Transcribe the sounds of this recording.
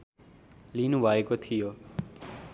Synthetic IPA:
linubʱaekot̪ʰijoː

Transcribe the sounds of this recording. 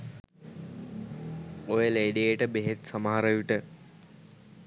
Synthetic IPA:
ojəleːɖeeʈəbeɦet̪sɐmaɦaɾəjuʈə

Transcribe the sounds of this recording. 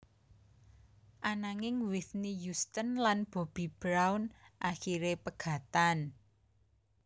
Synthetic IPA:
ʔanaŋɪŋwɪθnijust̪ənlanb̥o̤b̥i̤b̥ɾawnʔaxiɾepəɡ̥ä̤t̪an

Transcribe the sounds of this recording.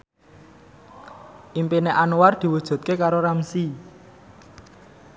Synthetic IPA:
ʔimpineʔanward̪̥i̤wud̥ʒ̥ṳt̪̚kekaɾoɾamsi

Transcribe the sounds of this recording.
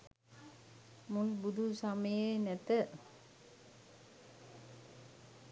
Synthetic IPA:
mulbud̪ʱusaməjenæt̪ə

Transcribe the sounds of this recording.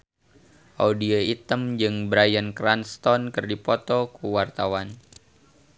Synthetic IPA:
ʔaudioit̪əmd͡ʒɨŋbɾajənkɾanst̪ɔnkɨrdipɔt̪ɔkuwart̪awan

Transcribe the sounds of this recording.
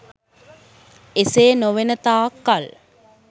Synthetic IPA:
eseːnoʋenət̪aːkːal

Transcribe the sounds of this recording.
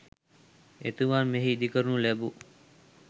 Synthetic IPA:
ḛt̪uʋanmeɦeid̪ikəɾunulæbu

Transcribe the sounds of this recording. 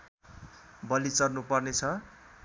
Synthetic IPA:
bʌlit͡sʌrnupʌrnet͡sʰʌ

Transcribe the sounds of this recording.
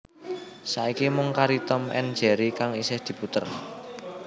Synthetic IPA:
saikimʊŋkaɾit̪ɔmʔɛ̰nd̥d͡ʒ̥ɛ̤ɾikaŋisɪhd̪̥i̤put̪ə̰r

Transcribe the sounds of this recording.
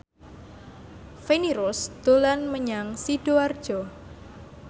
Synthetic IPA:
feniɾʊsd̪̥olanməɲaŋsiɖ̥oard̥ʒ̥ɔ

